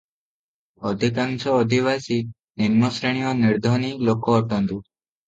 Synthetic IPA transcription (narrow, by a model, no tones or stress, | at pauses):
ɔd̪ʱikãŋsɔːd̪ʱiʋasi | ninmɔsɾeɳ̃ijɔniɾd̪ʱɔniklokɔːʈɔnd̪u